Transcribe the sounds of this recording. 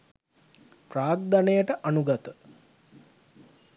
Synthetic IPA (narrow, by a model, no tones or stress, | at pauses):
praːɡ̚d̪anejəʈəʔanuɡat̪ə